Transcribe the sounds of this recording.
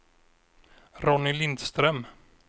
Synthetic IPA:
ɾɔnɪlɪnd̪st̪ɾɛm

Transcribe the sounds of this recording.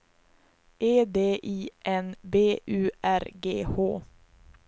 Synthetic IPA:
ʔeːd̪eːʔiːʔɛnbeːʔʉːʔæɾɡeːho̰ː

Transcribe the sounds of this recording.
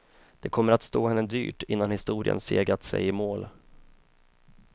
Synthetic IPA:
d̪̥ɛkʰɔmːəɾat̪st̪oːhɛnːəd̪y̰ːʈɪnːanhɪst̪uːɾɪə̰nseːɡɾat̪sɛ̰jɪmoːl

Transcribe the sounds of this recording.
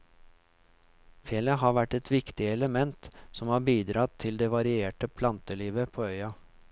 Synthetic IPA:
feːləɦɑːʋæʈːɛt̪ʋɪkt̪ɪɛləmɛnt̪sɔmhɑːbiːd̪ɾɑt̪ʰːɪld̪eːʋɑɾɪeːʈəpʰlɑnt̪əliːʋəpʰoːœʏɑ

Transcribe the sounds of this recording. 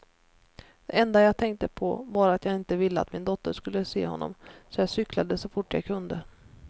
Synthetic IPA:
d̪̥ɛʔɛnd̪ajaːɡt̪ʰɛŋk̚t̪əpʰɔvɑːɾat̪jɑːɡɪnt̪əvɪlːəa̰t̪mɪnd̪ɔt̪ːəʂkɵlːəsḛːhɔ̰nːɔ̰msɔjɑsʏkʰlad̪əsɔfʊʈːja̰ɡkʰɵnd̪ə

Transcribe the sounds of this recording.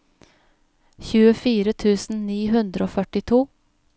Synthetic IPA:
çʉːəfiːɾət̪ʰʉːsn̩niːɦʉnd̪ɾəoːfœʈɪt̪ʰuː

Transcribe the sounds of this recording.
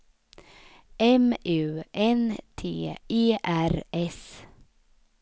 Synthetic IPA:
ʔɛmʉːʔɛnt̪ʰeːʔeːʔæɾɛs

